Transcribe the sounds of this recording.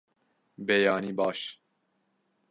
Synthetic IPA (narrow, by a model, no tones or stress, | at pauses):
bɛjɑːniːbɑːʃ